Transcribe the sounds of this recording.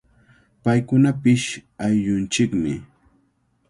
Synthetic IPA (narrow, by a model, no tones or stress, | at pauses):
pajkʊnapɪʃajʎʊnt͡ʃɪkmɪ̰